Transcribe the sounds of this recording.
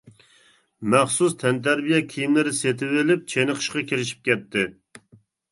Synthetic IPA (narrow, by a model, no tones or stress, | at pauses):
mɛχsust̪ʰɛnt̪ʰæɾbijɛkʲʰijimlɪɾɪset̪ʰɪvelɪp̚t͡ʃʰenəqʰə̥ʃqɑkʲiɾɪʃi̥p̚kʲɛt̪ʰːɪ